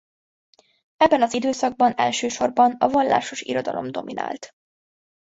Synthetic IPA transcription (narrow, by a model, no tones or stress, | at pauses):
ɛbːɛnɒzid̪øːsɒɡ̚bɒnɛlʃøːʃo̞rbɒnɒvɒnːa̰ːʃo̞ʃḭɾo̞d̪ɒlo̞̰md̪o̞mina̰ːlt̪